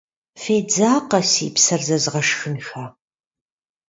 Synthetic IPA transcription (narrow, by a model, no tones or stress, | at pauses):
feːd͡zaːqɐsḭːpsɐrzɐzʁɐʂxɨnxaː